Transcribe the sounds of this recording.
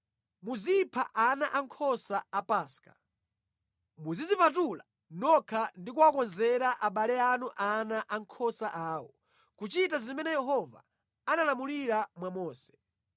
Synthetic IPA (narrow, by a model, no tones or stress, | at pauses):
muzipʰaʔanaʔaŋkʰɔsaapaːskḁ | muzizipat̬ula | nɔkʰandikuwakɔnzɛɾaʔaɓalɛanuʔanaʔaŋkʰɔsaʔaːwɔ | kut͡ʃitazimɛnɛjɛɦɔva̰ | analamuliɾamwamɔːsɛ̥